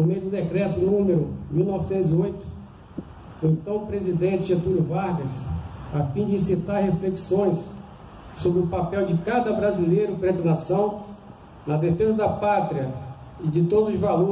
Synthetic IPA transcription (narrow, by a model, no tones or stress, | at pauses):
omed̪ʊd̪ekɾɛt̪ʊnnũmeɾʊmiwnɔvɪsẽt̪ʊziojt̪ʊ̥ | ʊẽnt̪ɐ̃w̃pɾezid̪ẽnt͡ʃɪʒet̪uɾʊvaɾɡɐsafĩd͡ʒɪĩsit̪aɾɦefleksõj̃s | sobɾɪʊpapɛwd͡ʒɪkad̪ɐbɾazilejɾʊpɾɛ̃t̪ɐlasɐ̃w̃ | nɐd̪efezɐd̪ɐpat̪ɾiɐ | ɪd͡ʒɪt̪od̪ʊzʊzvalo